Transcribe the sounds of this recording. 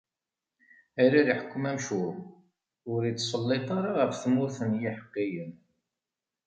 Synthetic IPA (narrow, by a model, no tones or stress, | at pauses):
æɾiɾiħə̥kʷːmæmʃuɾ | ʊɾit͡sːsˤəlːet̪ˤɑɾˤɑʁəfθmʊɾθənjiħə̥qːijən